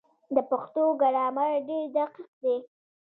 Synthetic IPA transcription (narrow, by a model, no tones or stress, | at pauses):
d̪əpaxt̪oɡaɽɑmaɾɖeɾd̪aqiq̚d̪e